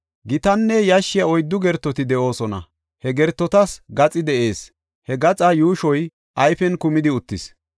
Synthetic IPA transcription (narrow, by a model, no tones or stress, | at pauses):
ɡɪt̪ɐnːɛjɐʃːɪjɐɔjd̪ːʊɡɛɾt̪ːɔt̪ɪd̪ɛʔo̞ːsɔnɐ̰ | hɛɡɛɾt̪ːɔt̪ɐsɡɐt͡sʼɪd̪ɛʔe̞ːs | hɛɡɐt͡sʼɐjuːʃɔj | ʔɐjfɛnkʊmɪd̪ɪʊt̪ːɪs